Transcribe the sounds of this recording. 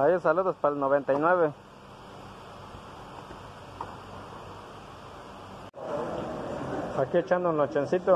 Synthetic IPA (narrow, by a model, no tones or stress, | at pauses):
ajesaluðospalnoβent̪ainweβe | aket͡ʃanonot͡ʃensit̪o